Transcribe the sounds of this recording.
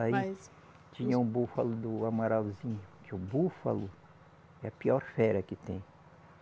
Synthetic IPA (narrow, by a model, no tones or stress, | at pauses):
ai | t͡ʃĩɲɐũbufɐlʊd̪ʊamaɾalzĩɲʊkʰɪʊbufɐ̰lʊ | ɛɐpiɔɾfɛɾɐkɪt̪ẽj̃